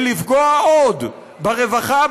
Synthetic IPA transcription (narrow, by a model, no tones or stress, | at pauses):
lifɡoaod̪ | baʁevaχa